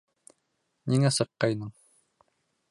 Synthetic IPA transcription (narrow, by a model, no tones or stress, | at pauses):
niŋæsɤ̆qːɑjnɤɴ